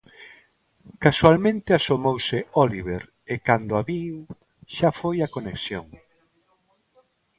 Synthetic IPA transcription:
kasualmẽnt̪easomowseɔliβeɾ | ekand̪oaβiw | ʃafojakoneksjoŋ

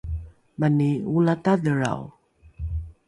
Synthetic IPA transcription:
maniulataðəɾa̰w

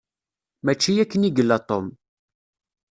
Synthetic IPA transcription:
mæt͡ʃːijækːəniɡəlːæt̪ˤom

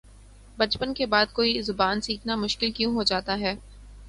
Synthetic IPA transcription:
bɐt͡ʃpənkebaːd̪̚koːizʊbaːnsiːkʰnamʊʃkɪlkjũːɦod͡ʒaːt̪aɦɛː

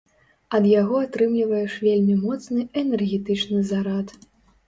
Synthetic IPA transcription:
ɐd̪jaɣɔat̪ɾɨmlʲivɐjɛʂvʲelʲmʲimɔt̪snɨʔɛnɛrɣʲɛt̪ɨt͡ʂnɨzaɾat̪

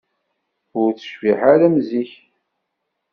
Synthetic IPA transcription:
ʊɾt͡sːə̥ʃviħaɾæmziç

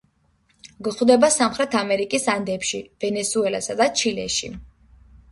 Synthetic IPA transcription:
ɡχwd̪ɛbasamχɾɛt̪ʰamɛɾikʼisand̪ɛpʃivɛnɛsuɛla̰sad̪at͡ʃʰilɛ̰ʃḭ

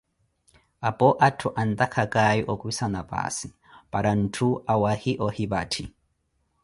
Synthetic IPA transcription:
apɔʔatʰuʔant̪akʰakajiʔɔkisanapa̰ːsi | paɾan̩tʰuawahiʔɔhibatʰi

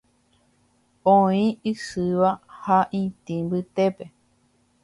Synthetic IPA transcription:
õĩɨsɨʋahaʔĩt̪ĩmbɨt̪epe

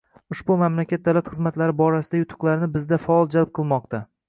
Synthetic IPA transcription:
ʊʃbʊmamlakʲat̪̚d̪awlat̪χɨzmat̪laɾɪbɒɾasɪd̪ajʊt̪ʰʊ̥qlˠaɾɪnɪbɪzd̪afaɒlˠd͡ʒalp̚qʰɨlˠmɒqt̪ʰa

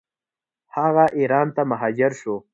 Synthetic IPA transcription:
haɣaʔiɾɑːnt̪amaɦɑːd͡ʒɪɾʃo

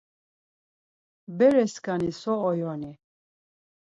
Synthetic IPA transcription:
bɛɾɛskʼanisɔːjɔni

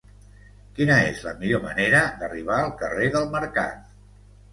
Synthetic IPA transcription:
kinəezlə̰miʎomə̰neɾəd̪əriβ̞aəlˠkəreðəlˠməɾka̰t̪̚

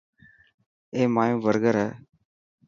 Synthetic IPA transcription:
eːmaːjõːʋəɾɡəɾəː

